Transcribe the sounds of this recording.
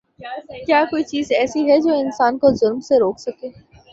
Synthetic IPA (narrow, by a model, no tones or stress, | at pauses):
kjaːkoːit͡ʃiːzɛːsiɦɛd͡ʒoːɪnsaːnkozʊlmseɾoːksɐkeː